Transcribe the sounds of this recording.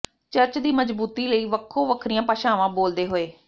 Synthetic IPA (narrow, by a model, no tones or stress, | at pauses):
t͡ʃəɾt͡ʃd̪iːməd͡ʒbuːt̪iːləiːʋəkʰːõːʋəkʰɾijãːpaːʃaːʋãːboːld̪eːɦoːeː